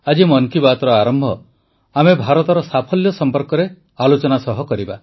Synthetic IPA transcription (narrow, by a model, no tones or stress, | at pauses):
ad͡ʒimɔnkibat̪ɔɾɔaɾɔmbʱɔ | amebʱaɾɔt̪ɔɾɔsapʰɔljɔsɔmpɔɾkɔɾe | alot͡ʃɔnasɔɦɔkɔɾiba